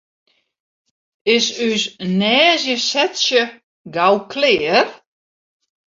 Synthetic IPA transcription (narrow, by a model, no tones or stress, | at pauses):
ɪsysnɛːzjəsɛtsjə | ɡawkʰlɪːər